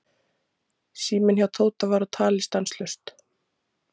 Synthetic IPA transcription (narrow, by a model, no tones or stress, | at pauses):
siːmɪnhçawt̪ʰoːwt̪avaɾat̪ʰaːlɪst̪anslʏst̪